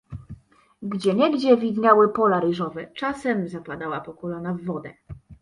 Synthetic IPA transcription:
ɡd͡ʑɛɲɛɡd͡ʑɛvʲid̪ɲawɘpɔlaɾɘʐɔvɛt͡ʂasɛmzapad̪awapɔkɔlɔnavːɔd̪ɛ̰

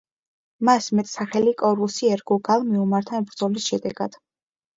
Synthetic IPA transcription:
masmɛt̪ʼsaχɛlikʼɔɾusiɛɾɡuɡalˠmiumaɾt̪ʰanbɾd̪zɔlisʃɛd̪ɛɡ̥a̰d̪̥

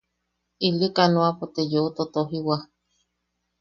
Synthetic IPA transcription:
ilikanoapot̪ejoːt̪ot̪oɦiwa

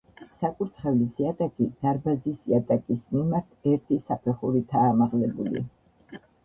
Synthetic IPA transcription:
sakʼuɾt̪ʰχɛvlisiat̪ʼakʼid̪̥aɾbazisiat̪ʼakʼismimaɾt̪ʰɛɾt̪ʰisapʰɛχuɾit̪ʰaːmaʁlɛbṵlḭ

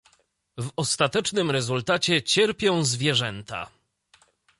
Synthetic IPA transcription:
vɔst̪at̪ɛt͡ʂnɘmɾɛzult̪at͡ɕɛt͡ɕɛɾpʲjɔ̃w̃zvʲjɛʐɛnt̪a̰

